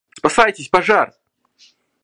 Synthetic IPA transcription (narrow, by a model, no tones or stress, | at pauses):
spɐsajtʲɪsʲpɐʐar